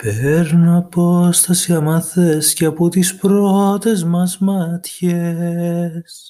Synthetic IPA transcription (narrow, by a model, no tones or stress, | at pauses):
peɾnɐpo̞st̪ɐsiɐmɐθesceɐpot̪ispɾot̪e̞zmɐzmɐt̪çe | s